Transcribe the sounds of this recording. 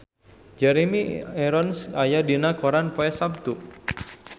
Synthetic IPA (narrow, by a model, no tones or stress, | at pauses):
d͡ʒaɾemiɛɾɔnsajadinakɔɾanpoɛsab̚t̪u